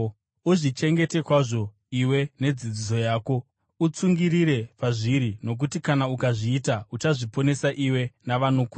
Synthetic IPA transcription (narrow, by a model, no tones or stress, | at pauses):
uʐit͡ʃe̞ŋɡe̞te̞kwaʐo̞ | iwe̞ne̞d͡zid͡ziso̞jaːko̞ | ut͡suŋɡiriɾe̞paʐiɾino̞k̬utikanaukaʐiːtaut͡ʃaʐipo̞ne̞saʔiwe̞naʋano̞ku